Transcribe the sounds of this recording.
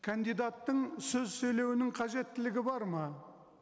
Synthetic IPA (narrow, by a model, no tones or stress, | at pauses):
kʰand̪ijd̪ɑt̪ːəɴsɵzsɵjle̞wɪnɪŋqʰɑʒe̞t̪ːɪlɪɡʲɪbɑɾmɑ